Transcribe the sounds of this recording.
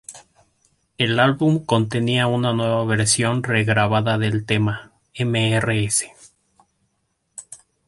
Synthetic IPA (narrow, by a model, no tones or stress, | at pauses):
e̞lalβumko̞nt̪e̞niaunanwe̞βaβe̞ɾsjo̞nre̞ɣɾaβaðaðe̞lt̪e̞ma | emeereese̞̥